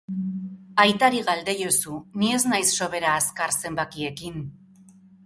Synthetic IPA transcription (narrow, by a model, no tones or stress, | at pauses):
ajt̪aɾiɣald̪e̞jo̞sunie̞znajsːo̞βe̞ɾaːskaɾse̞mbakie̞kin